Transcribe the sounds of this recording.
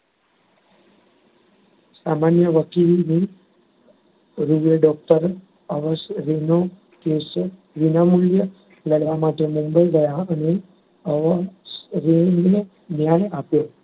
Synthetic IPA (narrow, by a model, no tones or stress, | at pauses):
samanjəʋəkilne | ɾuʋeɖɔk̚ʈəɾ | əʋəsɾeno | kes | ʋinamuljə | ləɽʋamaʈemumbəidəjaəne | əʋsɾene | njajapjo